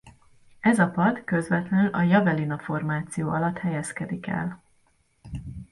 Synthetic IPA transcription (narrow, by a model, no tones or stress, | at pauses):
ɛzɒpɒd̪køzvɛt̪lɛnylʔɒjɒvɛlinɒfo̞rmaːt̪sijoːɒlɒt̪hɛjɛskɛd̪ikɛ̰l